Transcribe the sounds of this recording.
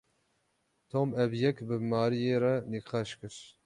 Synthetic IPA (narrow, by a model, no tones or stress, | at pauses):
t̪ʰomɛbjɛkbɨmɑːɾijeːɾɛniqɑːʃkɨɾ